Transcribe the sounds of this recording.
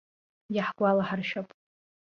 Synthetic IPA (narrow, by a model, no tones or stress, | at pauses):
jaħɡʷalaħarʃᶣapʼ